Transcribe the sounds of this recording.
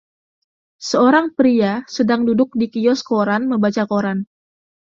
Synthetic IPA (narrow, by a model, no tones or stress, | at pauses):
səoɾaŋpɾiasədaŋdudʊk̚dikiɔskoɾanməmbat͡ʃakoɾan